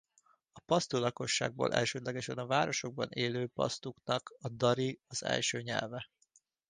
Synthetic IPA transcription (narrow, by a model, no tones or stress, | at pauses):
ɒpɒst̪ulɒko̞ʃːa̰ːɡ̚bo̰ːlʔɛ̰lʃøːd̪lɛɡɛʃɛnɒvaːɾo̞ʃo̞ɡ̚bɒ̰neːløːpɒ̰st̪uknɒkɒd̪ɒɾiɒzɛ̰lʃøːɲɛ̰lvɛ